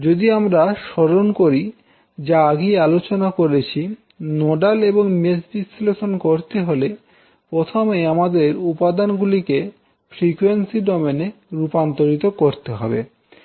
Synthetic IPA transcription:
d͡ʑod̪iamɾaʃɔɾonkoɾi | d͡ʑaaɡejalot͡ɕonakoɾet͡ɕʰi | nɔɖaleboŋmesbisleʃonkoɾt̪eɦole | pɾot̪ʰomejamad̪eɾupad̪anɡulike | fɾikuwensiɖɔmeneɾupant̪oɾit̪okoɾt̪eɦɔ̰bḛ

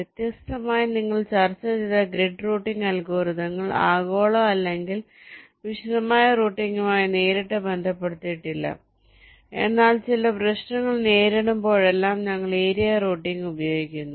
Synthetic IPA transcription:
ʋjet̪jɐst̪ɐmaːjiniŋːɐɭt͡ɕɐrt͡ɕːɐðiðɐɡɾeɖruːʈːiŋɡɐlkoːɾuðɐŋːɐɭa̰ːɣo̞ːɭoɐlːe̞ŋɡil | ʋiʂɐðɐmaːjɐruːʈːiŋɡumaːjine̞ːɾiʈːɐbe̞nd̪ʱɐpːe̞ɽut̪ːijiʈːilːɐ̰ | e̞̰nːaːɭt͡ɕilɐprɐɕnɐŋːɐɭneːɾeɽumbo̞ːɻe̞lːaːmɲɐŋːɐɭeːɾijaroːʈːiŋɡubɐjo̞ːɡikʲːunːu

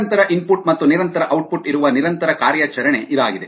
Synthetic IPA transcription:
nt̪ɐɾɐʔinpuʈmɐt̪ːuniɾɐnt̪ɐɾɐʔɐwʈ̚puʈiɾuʋɐniɾɐnt̪ɐɾɐkaːɾjaːt͡ʃɐɾɐɳe̞ʔid̪aːɡid̪e̞

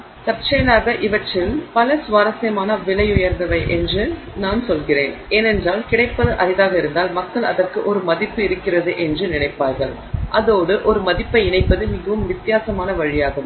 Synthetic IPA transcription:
sɐp̚t͡ʃɐjɐlaːɣɐʔɪʋɐʈrɪlpɐlɐsʊʋaːɾɐsɐjɐmaːnɐʋɪɭɐɪjʊjɐɾnd̪ɐʋɐɪʔɛndrɯ | naːnsɔlɣɪreːneːnɛndraːlkɪɽɐɪpːɐðɯʔɐɾɪðaːɣɐɪɾɯnd̪aːlmɐkːɐɭɐ̰ðɐrkɯʔɔɾɯmɐðɪpːɯɪɾɯkːɪrɐðɯʔɛndrɯnɪnɐɪpːaːɾɣɐɭ | ʔɐðoːɽɯʔɔɾɯmɐðɪpːɐɪɪnɐɪpːɐðɯmɪɣɐʋɯmʋɪt̪ːɪjaːsɐmaːnɐʋɐɻɪjaːɣɯm

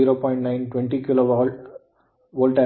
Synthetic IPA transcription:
iːɾoːpɔːɪ̃ɳʈnãɪ̃nʈʋɛɳʈikɪloʋ | ʋoːlʈɐ

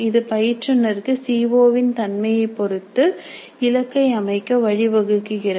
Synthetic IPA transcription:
ɪðɯpɐjɪʈrɯnːɐɾkːɯsiːʋoːʋɪnt̪ɐnmɐjɐɪpːɔɾɯt̪ːɯ | ɪlɐkːɐɪɐmɐɪkːɐʋɐɻɪʋɐɣɯkːɯɣɪɾɐ

